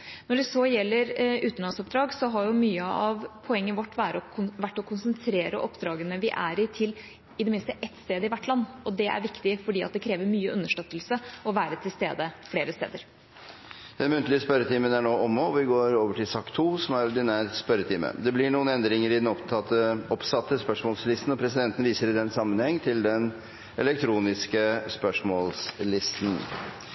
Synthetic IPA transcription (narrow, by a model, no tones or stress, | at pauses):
nɔɖɛsɔjɛlːəɾʉːt̪nlɑnsɔp̚d̪ɾɑːɡsɔɦɑɾjʊmyːəɑʋpʰɔɛŋːənʋɔʈːʋæːɾəɔʋæʈːɔkʰʊnsənt̪ʰɾeːɾə̰ʔɔpːd̪ɾɑːɡənəʋɪʔæ̰ːɾɪt̪ʰɪl | ɪd̪ɛmɪnst̪əʔɛt̪ːst̪eːd̪əɪʋæʈːlɑnːɔd̪ɛæ̰ɾʋɪkt̪ɪfɔɖiːɑt̪̚d̪ɛkʰɾeːʋəɾmyːəʔʉnːəʂʈøt̪ːəlsəɔʋæːɾət̪ʰɪlst̪eːd̪əfleːɾəst̪ḛːd̪əɾ | d̪̥ɛnmʉnt̪lɪəspœɾət̪ʰiːmənæɳoːʔɔmːoɔʋɪɡoːɾoːʋəʈʰɪlsɑkːt̪ʰuːsɔmæɾɔd̪ɪnæːɾspœɾət̪ʰiːmə̰d̪ɛblɪɳuːənɛnd̪ɾɪŋəɾɪd̪ɛnɔpt̪ʰɑt̪ːəɔpsɑt̪ːəspœʂmɔːlslɪst̪n̩ɔpʰɾɛsɪd̪ɛnt̪ən̩ʋiːsəɾɪd̪ɛnːsɑmːənhɛŋːt̪ʰɪld̪ɛn | ʔɛlɛkt̪ʰɾuːnɪskəspœʂmɔlslɪst̪n̩